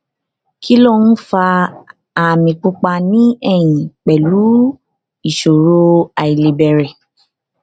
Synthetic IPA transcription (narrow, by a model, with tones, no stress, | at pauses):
ki˦lo˦˨n̩˦fa˧ | a˨mĩ˨k͡pu˧k͡pa˧nĩ˦ɛ˦˨j̃ĩ˨k͡pɛ˨lu˨˦ | i˨ʃo˨ɾo˦a˧i˨le˨bɛ˨ɾɛ˨